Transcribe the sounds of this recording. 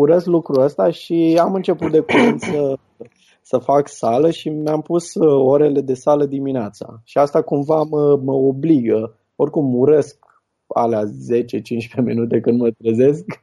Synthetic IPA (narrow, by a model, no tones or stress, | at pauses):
uɾe̞sklukɾuəst̪aʃiamɨnt͡ʃe̞put̪̚d̪e̞kuɾent̪sə | səfaksaləʃimeampuso̞ɾe̞le̞d̪e̞saləd̪imineat̪sa̰ʃiast̪akumvaməməobliɡə | o̞rkumuɾe̞sk | a̰leaze̞t͡ʃe̞t͡ʃint͡ʃpemḭnut̪̬e̞kɨnd̪mət̪ɾəze̞sk